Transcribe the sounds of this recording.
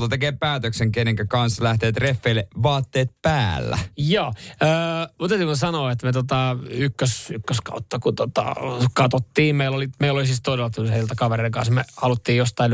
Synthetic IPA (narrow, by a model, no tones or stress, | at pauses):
t̪ɑt̪ekeːpæːt̪økseŋkeneŋkækɑnslæht̪eːt̪refːeileʋɑːt̪ːeːt̪̚pæːlːæ̰joːəːmut̪et̪ːikuesɑnoːet̪met̪ot̪ɑykːøsykːøskɑ̰ut̪ːɑkut̪ot̪ɑ̰kɑt̪ot̪ːiːmmeilolimeilolisiːst̪odelːɑt̪ylheilt̪ækɑʋereikɑ̰nsmehɑlut̪ːiːjjost̪ɑin